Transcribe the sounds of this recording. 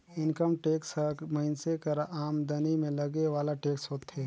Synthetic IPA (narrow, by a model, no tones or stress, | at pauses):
ɪnkəmʈeːksɐmɐɦɪnsekɐɾaʔaːmd̪ɐnimẽlɐɡeʋaːlaʈeːksɦoːt̪ɦeː